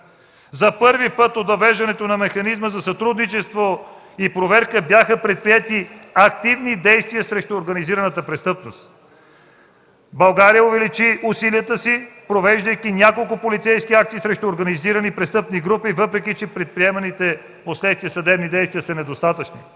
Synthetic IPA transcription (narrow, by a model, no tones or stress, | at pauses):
zɐpɤɾvipɤt̪ot̪vɐvɛʒd̪ɐnɛt̪onɐmɛxɐnizməzɐsɐt̪ɾud̪nit͡ʃɛst̪vo | ipɾovɛɾkəbjaxəpɾɛt̪̚pɾiɛt̪iɐk̚t̪ivnid̪ɛjst̪vijəsɾɛʃt̪uːɾɡɐniziɾənət̪əpɾɛst̪ɤpnost̪ | bɐlˠɡaɾijəovɛlit͡ʃiʔusiliət̪əsipɾovɛʒd̪əjkinʲakolˠkʊpolit̪sɛjskiak̚t̪iːsɾɛʃt̪uoɾɡɐniziɾənipɾɛst̪ɤpniɡɾupivɤpɾɛkit͡ʃɛpɾɛt̪̚pɾiɛmɐnit̪ɛ | poslɛt̪st̪vʲiəsɐd̪ɛbnid̪ɛjst̪vijəsənɛd̪ost̪at̪ət͡ʃnḭ